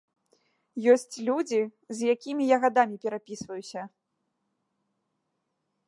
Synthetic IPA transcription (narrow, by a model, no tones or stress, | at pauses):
jɔsʲt͡sʲlʲud͡zʲizʲjakʲimʲijaɣad̪amʲipʲɛɾapʲisvɐjusʲɐ